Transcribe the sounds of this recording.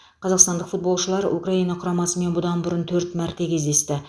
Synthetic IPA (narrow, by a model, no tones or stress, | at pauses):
qʰɑzɑqst̪ɑnd̪əqfut̪̚bo̞lˠʃəlˠɑɾʔṵkraijnɑqʰʊɾɑmɑsəme̞nbʊd̪ɑnbʊɾənt̪ʰɵɾt̪mæɾt̪e̞kʲʰe̞zd̪e̞st̪ɪ